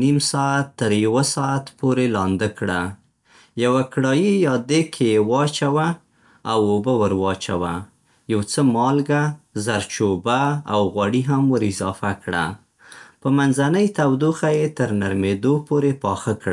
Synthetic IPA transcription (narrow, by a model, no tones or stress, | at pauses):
nimsɑat̪ːəɾjawəsɑat̪poɾelɑnd̪əkɽa | jawakɽɑjijɑd̪ekʰejewɑt͡ʃawa | awobawəɾwɑt͡ʃa̰wa̰ | jawt͡səmɑlɡazaɾt͡ʃobaawɣwaɽiɦamwəɾɪzɑfakɽa̰ | pəmanzanəjt̪awd̪uxajet̪əɾnaɾmed̪opoɾepɑxəkɽa